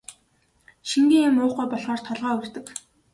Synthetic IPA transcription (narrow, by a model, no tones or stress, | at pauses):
ʃiŋɡiːŋɪmʊːχɡuːjpɔɮʁɔːr̥t̪ʰːɔɮʁaːɵr̥t̪ɘ̆k